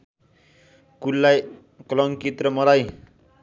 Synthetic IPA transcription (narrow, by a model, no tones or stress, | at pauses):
kulːaj | klʌŋkit̪rʌmʌlaj